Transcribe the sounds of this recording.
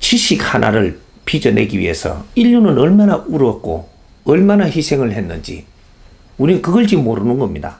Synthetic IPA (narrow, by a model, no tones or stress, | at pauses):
t͡ɕiɕʰik̚hanʔa̰ɾɯɭ | pid͡ʑʌne̞ɡiɥḭɦe̞sʰʌ̰iʎːunɯnʌɭmanaʔuɾʌk̚k͈o̰ | ʌɭmanaçisʰe̞ŋɯɭɦe̞nːɯnd͡ʑḭ | uniɯkɯɡʌɭd͡ʑimoɾɯnɯnɡʌmɲida̰